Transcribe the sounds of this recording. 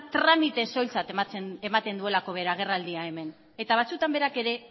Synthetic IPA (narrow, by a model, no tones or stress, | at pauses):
t̪ɾamit̪e̞so̞jlt͡sat̪e̞mat̪e̞nd̪ue̞lako̞βe̞ɾaɣ̞e̞rald̪iae̞me̞n | e̞t̪aβ̞at͡sut̪ambe̞ɾake̞ɾe̞